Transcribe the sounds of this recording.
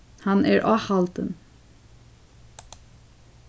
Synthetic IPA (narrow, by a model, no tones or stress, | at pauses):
hɑnæ̰ːɹʔɑːhɑlt̪ə̰n